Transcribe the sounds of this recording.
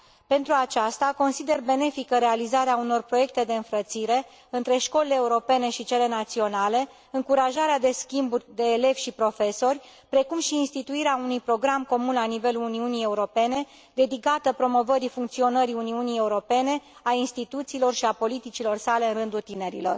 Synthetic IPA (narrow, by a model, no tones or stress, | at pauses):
pe̞nt̪ɾuat͡ʃast̪ako̞nsid̪e̞rbe̞ne̞fikəɾe̞alizaɾeauno̞rpɾo̞je̞k̚t̪e̞d̪e̞ɨnfɾət̪siɾe̞ | ɨnt̪ɾe̞ʃko̞leleːuɾo̞pe̞ne̞ʃit͡ʃe̞le̞nat̪sio̞nale̞ | ɨŋkuɾaʒaɾead̪e̞skʲimburʲd̪e̞ːle̞v̥ʲʃipɾo̞fe̞so̞rʲpɾe̞kumʃiːnst̪it̪uiɾeaunujpɾo̞ɡɾamko̞munlanive̞luuniunie̞uɾo̞pe̞ne̞ | d̪e̞d̪ikat̪əpɾo̞mo̞vəɾifuŋk̚t̪sio̞nəɾiuniunije̞uɾo̞pe̞ne̞ | ainst̪it̪ut̪siːlo̞rʃiapo̞lit̪it͡ʃilo̞rsale̞ɨnrɨnd̪ult̪ine̞ɾḭlo̞̰r